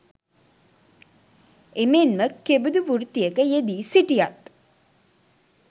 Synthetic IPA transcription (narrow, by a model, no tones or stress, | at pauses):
emenməkːebud̪uʋurt̪ːijəkəjed̪isiʈijat̪